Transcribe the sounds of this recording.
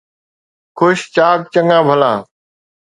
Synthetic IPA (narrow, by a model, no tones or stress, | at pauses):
kʰʊʃt͡ʃaːk̚t͡ʃəŋãːbʱəlãː